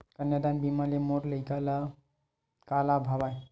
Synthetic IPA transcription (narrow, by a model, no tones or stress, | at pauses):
kənjəd̪anbimalimoʈləɪkala | kalabʱabaj